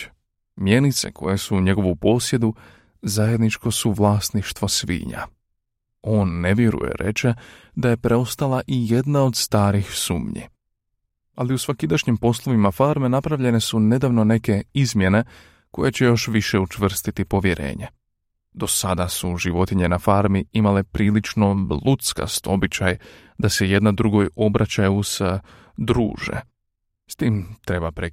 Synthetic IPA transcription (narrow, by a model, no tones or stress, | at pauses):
mje̞nit̪se̞̰kʰo̞̰je̞suɲe̞ɡo̞ʋupo̞ːsje̞d̪u | zaje̞d̪nit͡ʃko̞suʋlˠaːst̪niʃt̪ʋo̞sʋḭːɲa̰ | o̞ːnːe̞ʋjeɾṵjḛɾe̞̰t͡ʃe̞ | d̪aje̞pɾeo̞st̪alˠaʔije̞d̪nao̞d̪st̪aːɾixsṵːmɲḭ | aliusʋakid̪aʃɲimpo̞slˠo̞ʋimafaɾme̞napɾaʋʎe̞ne̞sune̞d̪aʋno̞ne̞ke̞izmje̞ne̞ | ko̞je̞t͡ɕe̞jo̞ʃʋiʃe̞ut͡ʃʋr̩st̪it̪ipo̞ʋje̞ɾʔe̞̰ːɲe̞ | d̪o̞sad̪asuʒiʋo̞t̪iɲe̞nafaɾmiimale̞pɾiːlit͡ʃno̞blut̪ska̰st̪o̞bit͡ɕaj | d̪ase̞je̞d̪nad̪ɾuɡojo̞bɾat͡ɕajuz̥ | d̪ɾṵːʒḛ | st̪iːmt̪ɾe̞bapɾe